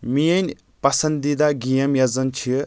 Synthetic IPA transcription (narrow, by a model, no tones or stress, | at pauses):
mijɐnʲ | pɐsɐnd̪id̪aɡijɐmjɐzɐnt͡ʃʰi